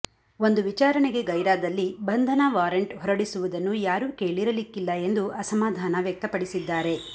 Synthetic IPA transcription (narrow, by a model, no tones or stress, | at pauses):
o̞nd̪uʋit͡ʃaːɾɐɳeɡe̞ɡɐjɾaːd̪ɐlːibɐnd̪ʱɐnaʋaːɾɐɳʈɦɔɾɐɽisuʋud̪ɐnːujaːɾuːkeːɭiɾɐlikːilːɐe̞nd̪uʔɐsɐmaːd̪ʱaːnɐʋjɐk̚t̪ɐpɐɽisid̪ːaːɾe̞